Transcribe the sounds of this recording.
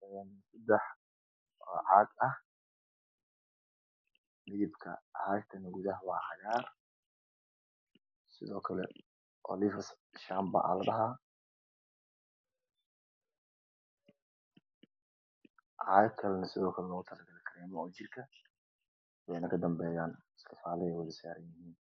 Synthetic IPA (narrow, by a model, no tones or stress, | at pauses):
ɛnsɐd̪ɛħ | ɔːʕaːɡ̪ɐh | nɪðɪbkʰɐ̰haʃt̪ʰɐnɡuðɐɦwɑːʕɑjaːr | sɪðɔːkʰɐlɛ̰ | ʔɔ̰liːfɐs | ʃaːmbɐ̰ʔɐ̰lɐd̪ɐɦa | ʕajkʰɐlnɐsɪðɔːkʰɐlɛlɔːɣʊt̪ʰɐlɐɡɐlɐkʰɐɾɛːmɔɔːt͡ʃɪrkʰɐ | wɛnɐkʰɐd̪ɐmbɛːjaːnɪsk̪ʰɪfaːlɪɛwɛlɪsa̰ːɾɐnjɪhiːn